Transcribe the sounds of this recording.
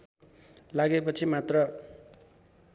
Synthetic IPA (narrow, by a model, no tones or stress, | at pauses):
laɡepʌt͡sʰimat̪rʌ